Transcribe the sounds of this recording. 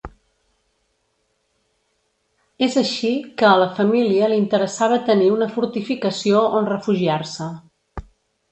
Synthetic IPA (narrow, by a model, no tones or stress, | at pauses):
ezəʃikəːləfəmiliəlint̪əɾəsaβət̪əniunəfuɾt̪ifikəsioonrəfuʒiaɾsə